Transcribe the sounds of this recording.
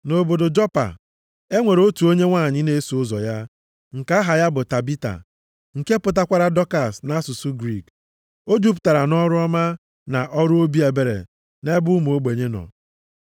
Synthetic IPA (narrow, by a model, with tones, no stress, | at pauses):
no˨bo˨do˨d͡ʒɔ˦pa̰˨ | e˦ŋʷe˨ɾo˦tu˨o˦ɲe˦ŋʷa˦˨ɲɪ˦ne˦su˨ʊ˦zɔ̰˨ja˦ | ŋ̩˨ka˦a˦ɦa˨ja˦bʊ˨ta˨bi˦ta̰˨ | ŋ̩˨ke˦pʊ˨t̬a˦kʷa˦ɾa˦dɔ˦ka˨sna˦su˨su˦ɡɾi˦˨k | o˦d͡ʒu˦p̬ʊ˨ta˨ɾa˨nɔ˦ɾʊ˦ɔ˦ma˦ | na˨ʔɔ˦ɾʊ˦o˦bi˦e˨be˨ɾḛ˨ | ne˦bʊ˦mu˨o˦ɡ͡be˨ɲe˦nɔ̰˨